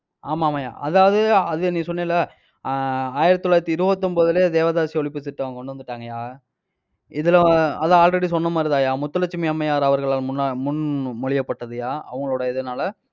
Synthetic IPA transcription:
aːmaːmaːja̰ːʔɐðaːʋɐðɯɐðɯnĩːsɔnːẽlːɐ | aːjɪɾɐt̪ːɔlːaːɪɾɐt̪ːɯɪɾɯbɐt̪ːɯmpoːðɯleːd̪eːʋɐðaːsiɔɭɪp̬ːɯsɪʈːɐʋaŋɡɐkɔɳɖɯʋɐnd̪ɯʈːaːŋɡɐjaː | ɪðɪlɐɐðɐaːlɾɛɽisɔnːɐmaːɾɯðaːjaːmʊt̪ːɐlɐt͡ʃːɪmɪɐmːɐjaːɾɐʋɐɾɣɐɭaːlmʊnːamʊnmɔɻɪjɐpːɐʈːɐðɯjaːɐʋɐŋɡɐɭoːɽɐɛðɐnaːlɐ

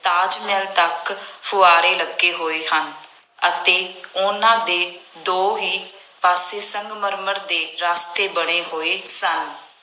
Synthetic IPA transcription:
t̪aːd͡ʒmɛːlt̪əkpʰʊaːɾeːləɡeːɦoːeːɦən | ət̪eːʊnãːd̪eːd̪oːɦiː | paːseːsəŋɡməɾməɾd̪eːɾaːst̪eːbəɽ̃eːɦoːeːsən

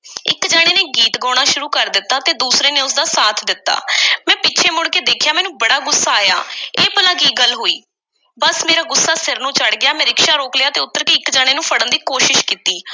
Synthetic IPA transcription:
ɪ̰kd͡ʒaːɽ̃eːneːɡiːt̪ɡɔːɽ̃aːʃʊɾuːkəɾd̪ɪt̪ːaːt̪eːd̪uːsɾeːneːʊsd̪aːsaːt̪ʰd̪ɪt̪ːa̰ːmɛ̃ːpɪt͡ʃʰeːmʊɽkeːd̪eːkʰjaːmɛːnũːbəɽaːɡʊsːaːja̰ːeːpəlãːkiːɡəlɦoːiː | bəsmeːɾaːɡʊsːaːsɪɾnũːt͡ʃəɽɡɪjaːmɛ̃ːɾɪkʃaːɾoːklɪjaːt̪eːʊt̪ːəɾkeːɪkd͡ʒaːɽ̃eːnũːpʰəɽə̃nd̪iːkoːʃɪʃkiːt̪iː

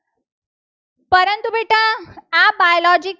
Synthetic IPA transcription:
pəɾənt̪ubeʈãabajolɔd͡ʑik

